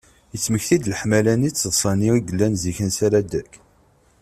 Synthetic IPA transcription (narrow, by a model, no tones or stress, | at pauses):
jət͡sːməçθid̪ləħmælænit͡sːəðˤsˤɑniiɡəlːænziçənsæɾæd̪ækː